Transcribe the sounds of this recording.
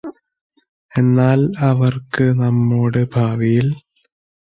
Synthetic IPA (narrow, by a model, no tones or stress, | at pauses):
e̞nːaːlɐʋɐrkɨnɐmːoːɽɨbʱaːʋijil